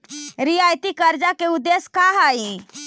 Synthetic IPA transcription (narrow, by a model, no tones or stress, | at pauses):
ɾiajt̪ikəɾd͡ʒakeud̪ːeskaɦai